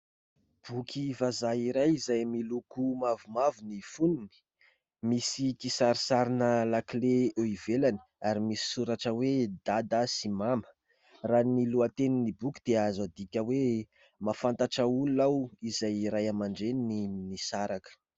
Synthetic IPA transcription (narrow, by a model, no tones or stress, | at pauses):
b̥ukʲʰivazaiɾajizajmilukumavumavunifununi̥ | misikisaɾisaɾinəlakleeivelani̥ | aɾimisi̥suɾaʈ͡ʂəwed̪ad̪asimamə̥ | raniluat̪eninibukid̪̥eazad̪ikʲəwe | mafant̪aʈ͡ʂauluawizajiɾajamaɳɖ͡ʐenininisaɾakə̥